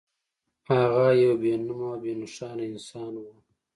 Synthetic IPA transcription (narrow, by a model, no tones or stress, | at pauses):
haɣajawbenumabenʊʂɑːnɪnsɑːnwa